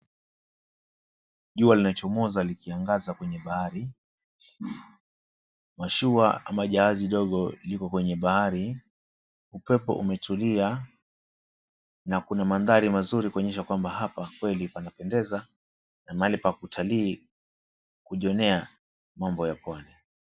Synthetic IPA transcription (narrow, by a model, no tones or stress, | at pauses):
ʄualinat͡ʃɔmɔzalikiaŋɡazakwɛɲɛɓahaɾi | maʃuaa̰maʄaaziɗɔɠɔlikɔkwɛɲɛɓahaɾi | upɛpɔ̰ʔṵmɛtulia | nakunamanðaɾimazuɾikuɔɲɛʃ̬akwambaɦapakwɛlipanapɛndɛza | namaalipakutʰaliː | kuʄiɔnɛa | mambɔjapwanɛ